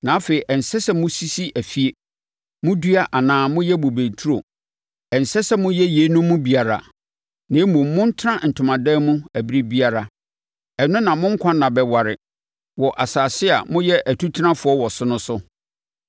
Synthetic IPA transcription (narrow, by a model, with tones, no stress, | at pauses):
nã˨˦fe˨i˨ʔɛ˨n̩˨sɛ˦sɛ˦mʊ̃˦si˦si˦ʔæ˨fi˨e˨ | mʊ̃˦dɥa˦ʔa˨nãː˨mʊ̃˦jɛ˦bo˨be˨tʰu˦ɾo˨ | ɛ˨n˨sɛ˦sɛ˦mʊ̃˦jɛ˦je˨˦nʊ̃˦mːʊ̃˦bi˨a˨ɾa̰˨ | nã˨˦mũ˨m˦mʊ̃˦n̩˦tʰã˦n̩˨tʰʊ̃˨mã˨dɛː˦mũ˦æ˨bi˦ɾi˦bi˦a˨ɾa˨ | ɛ˨nʊ̃˦nã˨mʊ̃˦ŋ̩˦kʷʰã˦nã˨bɛ˨wa˨ɾɪ˨ | wɔ˨ʔa˨saː˨sɪ˦a̰˨mʊ̃˦jɛ˦ʔæ˨tʰu˦tʰnã˦fʊ˨ɔ˦wɔ˨sʊ˦nʊ̃˦sʊ˦